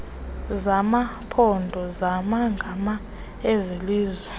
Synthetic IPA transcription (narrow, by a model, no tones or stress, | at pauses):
zamapʰɔndʱɔzamaŋɡʱama | eziliːzwɛ